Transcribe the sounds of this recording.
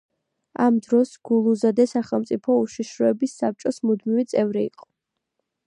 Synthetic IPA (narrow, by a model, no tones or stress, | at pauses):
amd̪ɾɔsɡ̥ulˠuzad̪ɛsaχɛlˠmt̪sʼipʰɔuʃiʃɾɔɛbisːap̚t͡ʃʼɔsmud̪mivit̪sʼɛvɾiḭqʼɔ̥